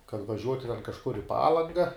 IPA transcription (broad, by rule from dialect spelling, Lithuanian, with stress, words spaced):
kɐt ʋɐˈʒʲuɔtʲɪ tʲɛn kɐʃˈkʊr ɪ ˈpɑːlˠɐŋɡɐ